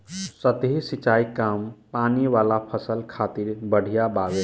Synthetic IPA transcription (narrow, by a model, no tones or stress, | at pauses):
sət̪ɦisit͡ʃaikampaniʋalapʰəsəlkʰat̪iɾbəɽ̤ʱijabaɡe